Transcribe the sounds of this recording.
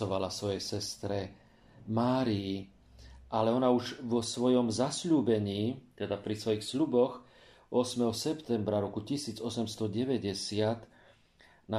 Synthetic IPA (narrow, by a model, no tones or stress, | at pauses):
ɔʋalasʋɔjɛsɛst̪ɾɛ | maːɾiː | ʔalɛɔnauʒʋɔsʋɔjɔmzasʎuːbɛɲiːt̪ɛd̪apɾisʋɔjixslubɔx | ʔɔsmɛɦɔsɛpt̪ɛmbɾaɾɔkucisiːd͡zɔsɛmst̪ɔɟɛʋɛɟɛsɪat̪ | na